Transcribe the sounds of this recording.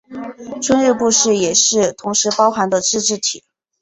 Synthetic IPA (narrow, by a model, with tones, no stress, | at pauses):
ʈ͡ʂwə˥nɻ̩˥˧pu˥˧ʂɻ̩˥˩jɛ˨˩ʂɻ̩˥˩t̪ʰʊ˧˥ŋʂɻ̩˧˥pɑ˥ʊxa˧˥nd̪ə˧ʈ͡ʂɻ̩˥˧ʈ͡ʂɻ̩˥˩t̪ʰḭ˨˩˦